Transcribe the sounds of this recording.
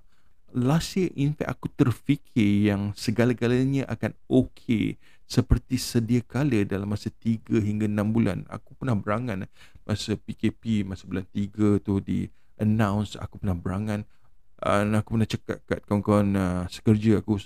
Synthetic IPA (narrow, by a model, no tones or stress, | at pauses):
lasjəʔinfɛ̰k̚akut̪ərfikʰɪrjaŋsəɡalaɡalaɲə̃ʔa̰kanokʰḛ | səpərt̪isədiakalədalamːasat̪iɡəɦiŋɡaənãmbula̰na̰kupənahbəɾaŋãn | mʔasəpikepimasabulant̪iɡət̪uhdḭ | ʔənãwnsa̰kupərnahbəɾaŋãn | ə̰nakupərnaht͡ʃəka̰t̪̚kat̪̚kaŋkɔnəsə̥kərd͡ʒəaku